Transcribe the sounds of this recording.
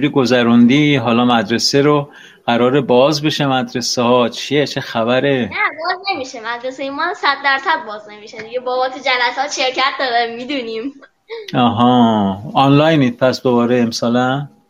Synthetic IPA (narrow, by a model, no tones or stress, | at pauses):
ɾiːɡozæɾund̪iɦɒːlɒːmæd̪ɾe̞seɾo | ɢ̥æɾɒːɾebɒːzbe̞ʃemæd̪ɾe̞sehɒːt͡ʃʰijet͡ʃʰexæbæɾenæbɒːznemiːʃemæd̪ɾesejemɒsæd̪ːæɾsæd̪̚bɒːzne̞miʃed̪iɟebɒːbɒːt̪ʰud͡ʒælæsɒːt̪ʃeɾcæt̪̚ʰd̪ɒːɾæmmːid̪unim | ɒɦɒːɒnlɒːjniːd̪̚pʰæsb̥obɒːɾeemsɒːlæm